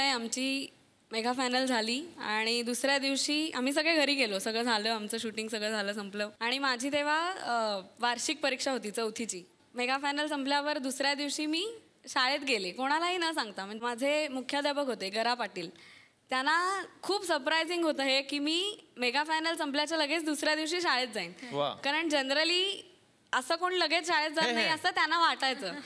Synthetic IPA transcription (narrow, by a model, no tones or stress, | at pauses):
əjamt͡ɕiː | meɡʱafajnəld͡zʱaliːaɽ̃id̪usɾjad̪iʋɕiːam̤iːs̬əɡɭeɡʱəɾiːɡelosəɡɭəd͡zʱaləːamt͡səːɕuʈiŋɡsəɡɭəd͡zʱaləːsəmpləʋaɽ̃imad͡ʑʱiːt̪eʋ̤a | ʋaɾɕik̚pəɾikʂaɦot̪iːt͡səut̪ʰit͡ɕiː | meɡafajnəlsəmpljaʋəɾd̪usɾjad̪iʋɕiːmiː | ɕaɭet̪̚ɡelekoɽ̃alaɦiːnəsãŋɡt̪am̤əɳmad͡zʱemukʰjad̪apəkɦot̪eɡəɾapaʈiːl | t̪janːakʰuːbsəɾpɾajd͡ziŋɡɦot̪əɦekiːmiːmeɡafajnəlsəmpljat͡ɕjaləɡʱet͡sd̪usɾjad̪iʋɕiːɕaɭet͡s̪̚d͡zainʋa̰kaɾəɳd͡ʑənɾəliː | əsəːkoɳləɡet͡sɕaɭet̪̚d͡zat̪naɦiəsəːt̪janːaʋaʈajt͡səː